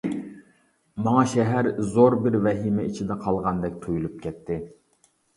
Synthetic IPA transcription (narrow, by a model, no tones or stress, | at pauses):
mɑŋɑʃɛɦæɾzoɾbɪɾvɛɦimɛit͡ʃʰid̪ɛqʰɑlˠʁɑnd̪ɛk̚ʲt̪ʰojulˠup̚kʲʰɛt̪ʰːɪ